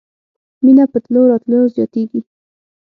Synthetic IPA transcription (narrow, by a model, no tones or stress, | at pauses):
minapət̪loɾɑt̪lujozjɑ̰t̪eɡi